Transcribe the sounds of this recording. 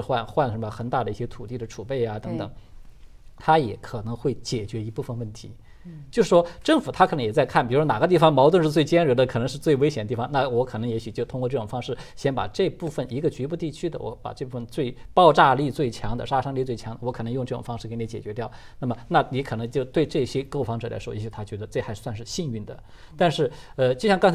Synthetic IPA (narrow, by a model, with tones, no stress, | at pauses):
xwa˥˧nxwa˥˩nʂə˧˥mə˧xə˧˩˥nt̪a˥˩d̪ə˩i˥˩ɕjɛ˥t̪ʰu˨˩t̪i˥˩d̪ə˩ʈ͡ʂʰu˨˩pe˥˩ɪja˩t̪ɤ˧˥ŋt̪ɤ˨˩˦ŋ | t̪ʰa˥jɛ˧˥kʰɤ˨˩nɤ˧˥ŋxwe˥˩ɪt͡ɕjɛ˨˩t͡ɕɥɛ˧˥i˧˥pu˥˧fə˧nwə˥˩nt̪ʰḭ˧˥ | t͡ɕjo˥˧ʊʂɻ̩˥˩ʂwɔ˥ʈ͡ʂɤ˥˩ŋfu˨˩t̪ʰa˥kʰɤ˨˩ɤ˧˥ŋjɛ˨˩t͡sa˥˧ɪkʰa˥˩npi˨˩ɻu˧˥wna˨˩ɡə˧˦t̪i˥˩fɑ˧˩ŋmɑ˧˥ʊt̪wə˥˧nʂɻ̩˥˧t͡swe˥˩ɪt͡ɕjɛ˥nɻə˧˥d̪ə˧kʰnɤ˧˥ŋʂɻ̩˥˧t͡swe˥˩ɪwe˥ɪɕjɛ˨˩nd̪ət̪i˥˩fɑ˩ŋna˥˩wɔ˧˥kʰɤ˨˩nɤ˧˥ŋjɛ˧˥ɕy˨˩t͡ɕjo˥ʊt̪ʰʊ˥ŋkwɔ˥˧ʈ͡ʂɤ˥˩ʊ˨˩ŋfɑ˥ŋʂɻ̩˥˩ɕjɛ˥npa̰˨˩ʈ͡ʂɤ˥˧pu˥˩fə˩ni˧˥ɡə˧t͡ɕy˧˥pu˥˧t̪i˥˩t͡ɕʰy˥d̪ə̰˨wʔɔ̰˧˥pa̰˨˩ʈ͡ʂɤ˥˧pu˥˩fə˧nt͡swe˥˧ɪpɑ˥˧ʊʈ͡ʂa˥˧li˥˧t͡swe˥˩ɪt͡ɕʰjɑ˧˥ŋd̪ə̰˨˧ʂa˥˧ʂɑ˥ŋli˥˧t͡swe˥˩ɪt͡ɕʰjɑ˧˥ŋd̪ə˩wɔ˧˥kʰɤ˨˩˧jʊ˧ŋʈ͡ʂɤ˥˩ʈ͡ʂʊ̰˨˩ŋfɑ˥ŋʂɻ̩˥˩ke˥ɪni˧˥t͡ɕjɛ̰˨˩t͡ɕɥɛ˧˥t̪jɑ˥˩ʊ | na˥˩mə˩na˥˩ni˧˥kʰɤ˨˩nɤ˧˥ŋt͡ɕjo˥˧ʊt̪we˥˧ɪʈ͡ʂɤ˥˩ɕjɛ˥ko˥ʊfɑ˧˥ŋʈ͡ʂɤ˨˩la̰˧˥wɔ˥jɛ˧˥ɕy˨˩t̪ʰa˥t͡ɕɥɛ˧˥d̪ə˧ʈ͡ʂɤ˥˩xɪswa˥˧nʂ̬ɻ̩˥˧ɕi˥˧ny˥˩nd̪ə̰˩ | t̪a˥˧nʂɻ̩˥˩ə˧t͡ɕjʊɕjɑ˥˧kɑ˥ŋt͡sʰ